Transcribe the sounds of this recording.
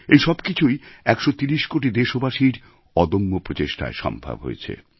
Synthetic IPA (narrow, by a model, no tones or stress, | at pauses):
ejʃɔbkit͡ɕʰujɛkʃot̪iɾiʃkoʈid̪eʃobaʃiɾ | ɔd̪omːopɾot͡ɕeʃʈʰa̰eʃɔ̰mbʱa̰bɦo̰jet͡ɕʰḛ